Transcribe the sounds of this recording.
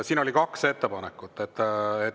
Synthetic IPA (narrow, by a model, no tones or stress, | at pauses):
siːno̞likɑkse̞t̪ːepɑnekːˑut̪ːˑet̪ːe